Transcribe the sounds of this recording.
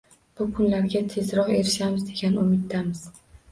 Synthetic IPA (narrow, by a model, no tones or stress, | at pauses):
b̥ʊkʰʊnlaɾɡʲat̪ʰe̞zɾɒqe̞ɾɪʃamɪzd̪e̞ɡʲanʊmɪt̪ːamɪz̥